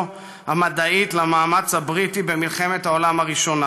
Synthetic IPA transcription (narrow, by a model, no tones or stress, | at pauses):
hamad̪aitlamaːmat͡shabʁitibemilχe̞me̞thao̞lamaʁiʃo̞na